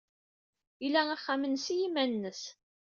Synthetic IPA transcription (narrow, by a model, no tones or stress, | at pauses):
ilææχːæmənsijimænːəs